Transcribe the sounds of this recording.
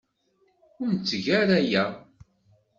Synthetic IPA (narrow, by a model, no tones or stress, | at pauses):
ʊɾnt͡sːʝæɾæjæ